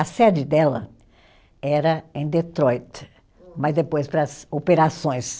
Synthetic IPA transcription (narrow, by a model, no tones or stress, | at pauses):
ɐsɛd͡ʒɪd̪ɛlɐ̰ | ɛɾɐẽj̃d̪et̪ɾɔjt̪ | mɐzd̪epojspɾɐzopeɾasõj̃s